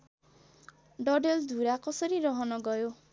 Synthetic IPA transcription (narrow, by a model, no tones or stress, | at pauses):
ɖɔɖeld̪uɾakɔsɔɾiɾɔɦɔnɔɡɔjo